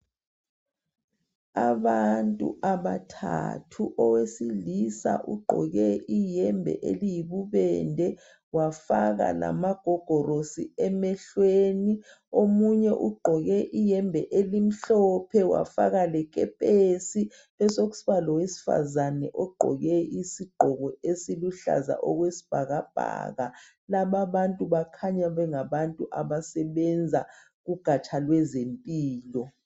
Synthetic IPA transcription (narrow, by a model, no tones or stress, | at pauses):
aβantʼṵʔaβatʰa̰tʰuʔɔwesilisa̰ʔuɡ͡ǃʱɔ̰ɣɛʔijɛmbʱɛ̰ʔḛlijiβuβɛndʱɛ | wafaɣa̰la̰maɡ̥ʱɔɡ̥ʱɔrosiɛmɛɬweni | omuɲɛʔuɡ͡ǃʱɔɣɛʔijɛmbʱɛʔelim̩ɬɔpʰɛwa̰fa̰k̬alɛk̬ʼɛ̰pʼesi | lɛsok̬u̥siɓalɔwesi̥fa̰zanɛʔɔɡ͡ǃʱɔ̰ɣɛisiɡ͡ǃʱɔkɔesiluɬa̰za̰ʔɔk̬wesi̥b̥ʱak̬ab̥ʱa̰ka̰ | laɓaɓantʼuɓakʰaɲaɓɛŋaɓantʼuʔaɓasɛɓɛnd͡zʱa | kuɡ̥ʱat͡ʃʰalwɛzempʼiːlɔ